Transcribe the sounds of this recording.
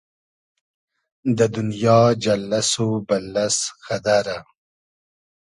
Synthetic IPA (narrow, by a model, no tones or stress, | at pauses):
d̪əd̪unjɑːd͡ʒalːasobalːasxad̪aɾa